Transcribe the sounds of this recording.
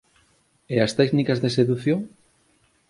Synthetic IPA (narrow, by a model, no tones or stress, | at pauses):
east̪ɛknikazðeseðuθjoŋ